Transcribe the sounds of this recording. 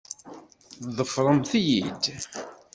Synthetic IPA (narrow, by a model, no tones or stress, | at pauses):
ðəfɾˤəmθijid̪